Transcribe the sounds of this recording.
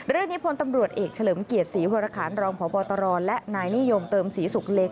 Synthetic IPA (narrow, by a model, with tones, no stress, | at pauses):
ɾɯ˥˩əŋniː˦˥pʰo˧˥nt̪a˧mɾu˨˩ət̪̚ʔeː˨˩k̚t͡ɕʰa˧lɤː˩˦mki˨˩ət̪̚siː˩˦woː˧ɾaː˧kʰaː˩˦nɾɔː˧ŋpʰɔː˨˦pɔː˧t̪ɔ˧ɾɔː˧nlɛ˦˥ʔnaː˧jni˦˥˨jo˧mt̪ɤː˧msiː˩˦su˨˩k̚le˦˥k̚